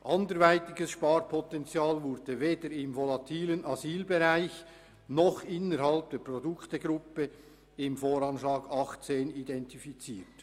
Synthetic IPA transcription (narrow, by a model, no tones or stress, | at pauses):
ʔɑndəɾvaɪtɪɡəsʃpɑːrpʰɔtɛnt͡sjaːlvʊɾdəveːdəɾɪmvolɑt̪ʰiːlənɑziːlbeʁaɪç | nɔχɪnəɾhɑlp̚d̥eːprɔdʊktəɡɾʊpə | ɪmfoːɾɑnʃlɑːɡ̥ɑχt͡seːnidɛntifit͡siːt